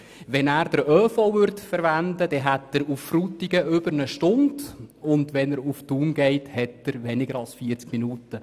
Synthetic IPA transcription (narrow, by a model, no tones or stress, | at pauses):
ʋɛnæːɾd̥əɾœːfɔvʏɾtfəɾʋændəd̥ɛɦætəɾufːrut̪iɡəʏbəɾnəʃtʊndʊndʋɛnəɾuftuːnɡɛɪthɛtəɾʋɛnɪɡəɾɑlsfiəɾt͡skminuːtə